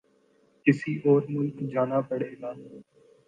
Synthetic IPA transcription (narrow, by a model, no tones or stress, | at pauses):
kɪsiːʔoːɾmʊlkd͡ʒaːnaːpəɽ̤eːɡ̪aː